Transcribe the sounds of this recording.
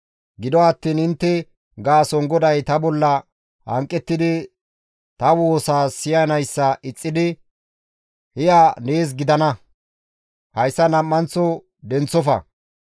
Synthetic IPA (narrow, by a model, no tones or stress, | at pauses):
ɡɪd̪ɔɐt̪ːiːnɪnt̪ːɛ | ɡaːsɔŋɡɔd̪ɐjt̪ɐbɔlːɐ | hɐ̰ŋkʼːɛt̪ːɪd̪ɪ | t̪ɐwoːsaːsɪjɐnɐjsːɐʔɪt͡sʼːɪd̪ɪ | hɪjaneːs̬ɡɪd̪ɐnɐ | hɐjsːɐnɐmːɐnt͡sːɔ | d̪ɛnt͡sːɔfɐ̰